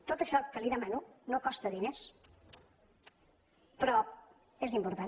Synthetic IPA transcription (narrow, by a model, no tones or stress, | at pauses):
t̪ot̪əʃɔkəliðəmanunokɔst̪əðines | pɾɔ | ezimpuɾt̪a